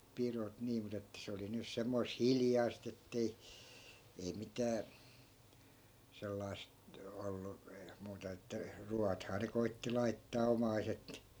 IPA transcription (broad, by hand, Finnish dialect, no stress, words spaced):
pirot niː mut etːæ se oli nys semːois hiljɑi̯st etːei ei mitæː selːɑi̯st olːu muːtɑ etːæ ruɑthɑː ne koitːi lɑitːɑː omɑiset